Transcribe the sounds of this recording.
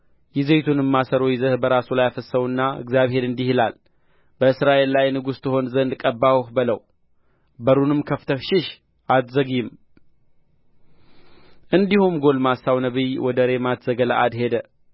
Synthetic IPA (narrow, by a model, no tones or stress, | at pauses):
jɪze̞t̪ʰunɨmːasəɾojzəhbəɾasulajafəsːəβunːaɨ̰ɡzjaβhe̞ɾɨnd̪ihilal | bəɨsɾaʔe̞lːajnɨɡust̪ʰɨho̞nzənd̪kʼəbːawhbɨləw | bəɾunɨmkʰəft̪ʰəfʃɪʃ | ʔat̪zəɡjɪm | ʔɨnd̪ihumɡo̞lmasːawnəβiwɔd̪əɾe̞mat̪ʰzəɡəla̰ʔad̪he̞d̪ə